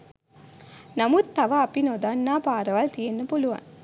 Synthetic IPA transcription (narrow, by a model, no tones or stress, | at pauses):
nɐmut̪ːɐʋɐɐpinoːd̪aːnːaːpaːɾɐʋaːlt̪ijenːɐpoluʋa̰ːn